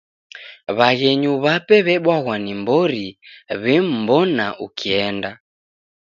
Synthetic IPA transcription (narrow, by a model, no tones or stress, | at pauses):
βaɣɛɲuβapɛβɛɓwaɣwanimbɔɾiβɛm̩bɔnaʔukʰiɛnda